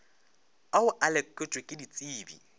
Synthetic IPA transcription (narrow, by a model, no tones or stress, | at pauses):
aʊʔalɛkʼɪt͡ʃʼɪkʼɪdit͡sʼiːbḭ